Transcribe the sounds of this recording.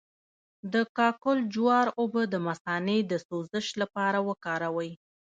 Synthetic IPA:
d̪əkɑkʊld͡ʒwɑɾobəd̪əmasɑned̪əsozəʃlapɑɾawəkɑɾawəj

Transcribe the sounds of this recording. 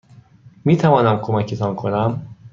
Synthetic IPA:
miːt̪ʰævɒːnæmkʰo̞mæcʰet̪ʰɒːnkʰo̞næm

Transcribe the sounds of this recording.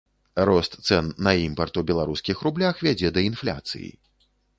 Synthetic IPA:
rɔst̪sɛnːɐimpɐrt̪ubʲɛlˠaɾuskʲixɾublʲaxvʲad͡zʲɛd̪ɐinflʲa̰t̪sɨ̰jḭ

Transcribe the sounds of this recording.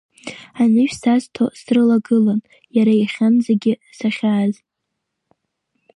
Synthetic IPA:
anɨʃᶣsaztʰosrɨlaɡɨlan | jaɾaiχʲanzeɡʲɪsaχʲaːz

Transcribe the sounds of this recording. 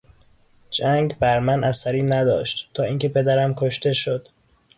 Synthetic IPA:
d͡ʒæŋɡbæɾmænʔæsæɾiːnæd̪ɒːʃt̪t̪ʰːɒːiːŋcʰe̞pʰe̞d̪æɾæmkʰoʃt̪e̞ʃod̪̥

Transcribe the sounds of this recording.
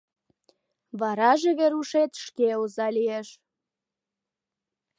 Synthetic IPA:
βɑɾɑʒeβeɾuʃet̪ʃkeozɑlijeʃ

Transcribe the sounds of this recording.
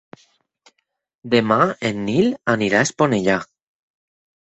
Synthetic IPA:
d̪emaenːilaniɾaesponeʎa

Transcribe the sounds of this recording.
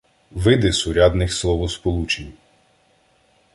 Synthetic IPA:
ʋɪd̪ɪsʊɾʲɑd̪nɪxslˠɔʋɔspɔlˠut͡ʃenʲ

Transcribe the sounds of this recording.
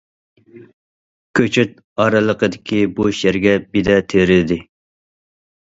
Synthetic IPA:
kʲʰøt͡ʃʰyt̪̚ | ɑɾɨlˠəqəd̪ɪkʲʰiboʃjɛɾɡʲɛbid̪ɛt̪ʰeɾɪd̪ɪ

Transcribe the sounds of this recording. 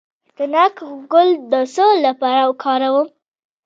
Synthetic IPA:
d̪ənakɡʊld̪əsolːapaɾawkʰɑɾawum

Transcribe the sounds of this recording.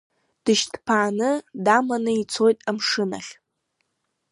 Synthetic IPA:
d̥ɨʃdʰpʰaːnɨdamanɨit͡sʰo̞jtʼamʂɨna̰χʲ

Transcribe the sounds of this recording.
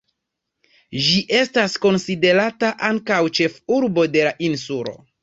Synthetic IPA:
d͡ʒiʔe̞stasko̞nside̞ɾataʔaŋkawt͡ʃe̞fuɾbo̞de̞laʔinsulo̞̰

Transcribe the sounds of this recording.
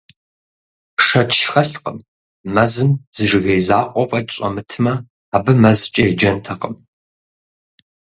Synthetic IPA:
ʂɐtʰʃxɐɬqəmː | ɐzɨmz̥ɨʐɨɣɐjzaːqʷʼɔpʼɐtʼɕʼɐ̰mɨtʰɨmɐ | aːbɨmɐzt͡ʃʼɐjd͡ʒɐntʰɐqəm

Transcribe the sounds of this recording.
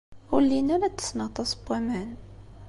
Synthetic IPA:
ʊlːinæɾæt̪ːə̥snəʁt̪ˤɑsˤb̥æmæn

